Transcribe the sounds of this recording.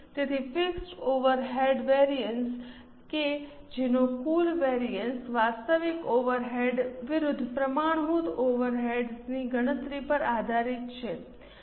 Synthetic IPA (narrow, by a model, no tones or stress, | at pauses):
t̪et̪ʰifɪksʈoʋəɾɦeɖʋeɾijəns | ke | d͡ʒenokulʋeɾijənsʋast̪əʋikoʋəɾɦeɖʋɪɾʊd̪ʱːpɾəmaɳ̃ɦut̪oʋəɾɦeɖsniɡəɽ̃ət̪ɾipəɾad̪ʱaɾit̪t͡ʃʰe